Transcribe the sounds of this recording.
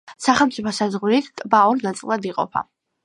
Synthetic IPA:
saχɛlˠmtsʼipʰɔsazʁwɾit̪ʰkʼbauɾnat̪sʼilˠad̪iqʼɔ̰pʰa̰

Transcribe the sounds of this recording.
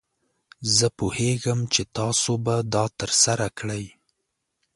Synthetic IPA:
zəpoheɡəmt͡ʃet̪ɑsobad̪ɑt̪əɾsaɾakɽəj

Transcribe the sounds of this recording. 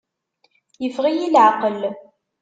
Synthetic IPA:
jəfʁijilʕaqəl

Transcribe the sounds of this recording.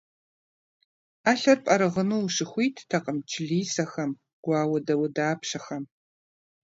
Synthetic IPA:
aːɬɐrpʼɐɾɨʁənuwʃɪxʷiːtːʰɐqʼəmt͡ʃʰɪɮiːsɐxɐm | ɡ̥ʷɑːwɐdɐwʊdaːpʰʃɐxɐm

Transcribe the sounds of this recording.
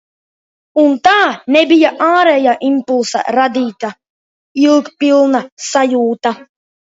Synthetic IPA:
unt̪aːnɛbijaʔaːɾɛːjaːʔimpulˠsa̰ɾad̪iːt̪a | ilˠkpilˠnasajuːt̪a

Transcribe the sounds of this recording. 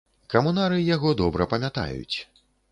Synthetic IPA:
kɐmunaɾɨjaɣɔd̪ɔbɾɐpɐmʲat̪a̰jṵt͡sʲ

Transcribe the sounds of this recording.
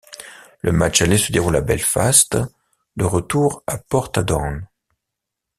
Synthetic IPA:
lʔə̰mat͡ʃalesəd̪eʁulabɛlfast̪ | d̪əʁət̪uʁapɔʁt̪ad̪ɔʁn

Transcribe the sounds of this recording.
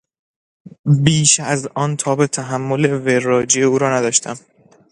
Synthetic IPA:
biːʃæzɒːnt̪ʰɒːbet̪ʰæɦæmːo̞le̞verːɒːd͡ʒieuːɾɒːnæd̪ɒːʃt̪ʰæ̰m

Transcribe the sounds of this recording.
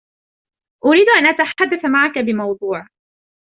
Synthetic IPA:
ʔʊɾiːd̪ʔanʔat̪aħad̪ːaθmaʕakabɪmɑwd̪ˤuːʕ

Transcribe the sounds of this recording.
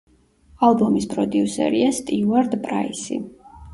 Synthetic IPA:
alˠbɔmispʼɾɔd̪iusɛ̰ɾiast̪ʼiuaɾd̪pʼɾa̰isḭ

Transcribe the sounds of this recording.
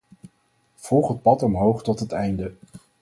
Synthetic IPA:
v̥ɔlˠχɦət̚pɑtɔmɦowχtɔtɦətɛjndə

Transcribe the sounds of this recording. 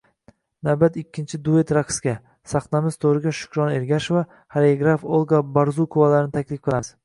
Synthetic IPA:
nawbat̪ɪkʲʰːɪnt͡ʃʰɪd̪ue̞t̪ɾakskʲa | sɑqnamɪz̥t̪ʰoɾɪɡʲaʃʊ̥kʲɾɒne̞ɾɡʲaʃva | haɾeɡɾafolˠɡabaɾzukʰʊvalaɾɪnɪt̪ʰakʲlɪfqʰɨlˠaz̥

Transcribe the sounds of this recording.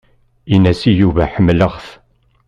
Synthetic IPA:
inæsijuvæħəmːləʁθ

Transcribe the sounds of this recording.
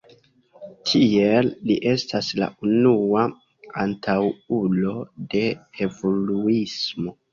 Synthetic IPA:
tʰielːiʔe̞stasla̰ʔunua | antʰawulo̞de̞evo̞luismo̞

